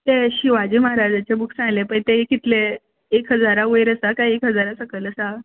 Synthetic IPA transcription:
t̪eɕiʋad͡ʑiməɦaɾad͡zat͡ɕebuksãŋlepəɳt̪eekit̪le | ekɦəd͡zaɾaʋəjɾəsakajekɦəd͡zaɾasəkələsa

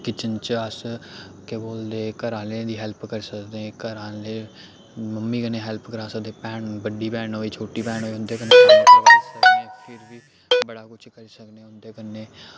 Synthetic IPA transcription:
kɪt͡ʃənt͡ʃəskeboːld̪eːkəɾãːlẽd̪iːɦɛlpkəɾsəkd̪eɛ̃ːkəɾãːleː | məmːiːkənẽːɦɛlpkəɾãːsək̚d̪eːpɛːɳbəɖiːpɛːɳɦoːiːt͡ʃʰoːʈiːpɛːɳɦoːʊnd̪eːkəneːbaːsəkd̪eɛ̃pʰɪɾbiː | bəɽaːkʊt͡ʃʰkəɾiːsəkd̪ẽːʊnd̪eːkənːeː

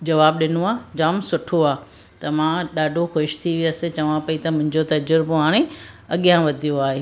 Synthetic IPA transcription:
d͡ʑɐʋaːb̚ɗɪnoaːd͡ʑaːmsʊʈʰoaː | t̪ɐmãɗaːɖʱoxoːɪʃt̪ʰiʋijasẽt͡ɕɐʋãpɐit̪ɐmʊ̃ɦɪ̃ɲd͡ʑot̪ɐd͡ʑʊɾboɦaːɽ̃ẽ | ɐɠjãʋɐd̪ʱijoaːɦeː

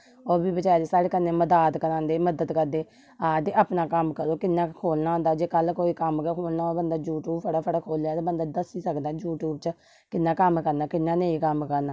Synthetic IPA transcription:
oːbiːbət͡ʃaːjaːt̪eːsaːɽeːkənːẽːməd̪aːt̪kəɾãːnd̪eːməd̪ət̪kəɾd̪eː | aːd̪eːʔaːpnaːkəmkəɾoːkɪnːãːkʰoːlnaːɦõnd̪aːd͡ʒeːkəlkoːiːkəmkekʰoːlnaːoːbənd̪aːjuːʈuːbpʰəɽaːpʰəɽaːkʰoːlːaːt̪aːbənd̪aːd̪əsiːsəkd̪aːd͡ʒuːʈuːbt͡ʃ | kɪnːãːkəmkəɾnaːkɪnːãːneĩːkəmkəɾnaː

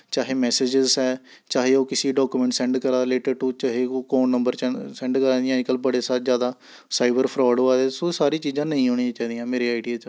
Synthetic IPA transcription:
t͡ʃaːɦeːmɛːseːd͡ʒɪzɛːt͡ʃaːɦeːoːkɪsiːɖɔːkuːmɛ̃ːɳʈsɛ̃ːɳɖkəɾaːleːʈəɾʈuːt͡ʃaːɦeːokoːnːəmbəɾsɛ̃ːɳɖkəɾãːd̪ijãːɪkəlbəɽeːsaːzjaːd̪aː | saːɪbəɾpʰɾɔːɖɦoːaːd̪eːsoːsaːɾiːt͡ʃiːzãːnəĩːɦoːɽ̃ĩãt͡ʃaːiːd̪ijãːmeːɾeːaːɪɖiaːt͡ʃ

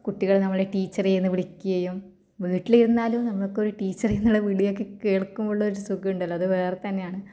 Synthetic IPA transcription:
kuʈːiɣɐɭnɐmːɐɭeʈiːt͡ɕːɐrejnːɨʋiɭikʲːuɣɐjum | ʋiːʈːiliɾunːaːlumnɐmːɐɭkːeo̞ɾuʈiːt͡ɕːɐrenːuɭeʋiɭijo̞k̬ːe̞keːɭkːumoɭːɐoɾusukːiuɳɖɐlːɐðɨʋeːret̪ɐnːe̞jaːɳɨ

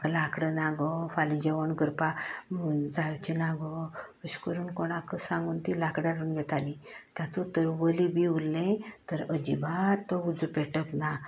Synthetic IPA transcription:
klakɽənaɡɔfalid͡ʑeʋəɳɡəɾpa | d͡zajt͡ɕinaɡɔpəɕkəɾuːnkoɳakəsãŋɡuːnt̪ilakɽaɾuːnɡʱɛt̪alit̪jãt̪ut̪əɾʋəlibiulːẽt̪əɾəd͡ʑḭbat̪ːɔud͡zupeʈəpna

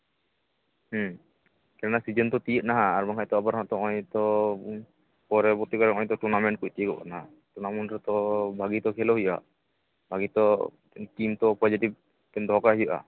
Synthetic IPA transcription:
h | kɛnɛnasid͡ʒənt̪ɔt̪ijət̪̚naɦãːɾmaŋʰkaʔt̪ɔabaɾɔ̃ʔt̪ɔɔɲt̪ɔ | pɔɾɛbɔt̪ikɔɾɛɔ̃ɲt̪ɔʈuɾnamɛɳʈ̚kuc̚t̪ijəɡɔka̰naɦa | ʈuɾnamɛɳʈɾɛt̪ɔbʱaɡit̪ɔkʰɛlɔɦuja̰ʔ | bʱaɡit̪ɔ | kimt̪ɔpɔd͡ʒiʈib̚ | k̪ɛnd̪ʱɔɔkaɦijɔʔa̰

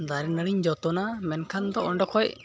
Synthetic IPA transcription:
d̪aɾɛnəɽiɲd͡ʒɔt̪ɔnamɛnkʰand̪ɔɔɳɖɔkʰɔj

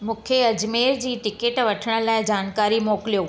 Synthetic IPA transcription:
mũːkʰeɐd͡ʑmeːɾd͡ʑiːʈɪkeʈʋɐʈʰəɽ̃ə̆laːɪd͡ʑaːnkaːɾimoːkɪlijoː

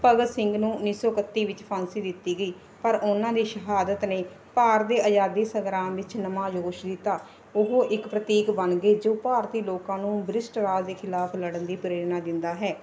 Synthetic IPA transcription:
pəɡəsɪŋɡnũːʊniːsɔːkət̪ːiːʋɪt͡ʃpʰãnsiːd̪ɪt̪ːiːɡəiː | pəɾʊnãːd̪iːʃəɦaːd̪ət̪neː | paːɾd̪eːʔəd͡ʒaːd̪iːsəɡɾãːmʋɪt͡ʃnəmãːd͡ʒoːʃd̪ɪt̪aː | ʊɦõːʔɪkpɾət̪iːkbənɡeːd͡ʒoːpaːɾt̪iːloːkãːnũːbɾɪsʈɾaːd͡ʒd̪eːkʰɪlaːpʰləɽənd̪iːpɾeːɾnaːd̪ɪnd̪aːɦɛː

